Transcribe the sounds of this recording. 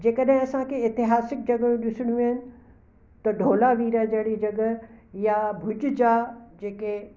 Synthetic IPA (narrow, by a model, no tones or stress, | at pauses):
d͡ʑeːkəɗɦɪ̃ɐsãkʰeɪt̪ɪɦaːsɪk̚d͡ʑɐɡə̃ũɗɪsɪɽ̃jũɐɦɪnɪ̆ | t̪ɐɖʱoːlaʋiːɾad͡ʑɐɽid͡ʑɐɡəjabʱʊd͡ʑʊd͡ʑaːd͡ʑeːke